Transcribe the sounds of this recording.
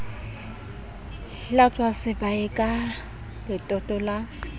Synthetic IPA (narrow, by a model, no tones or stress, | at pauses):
ɬɬat͡sʼwasɪbaɪkʼa | lɪtʼɔtʼɔla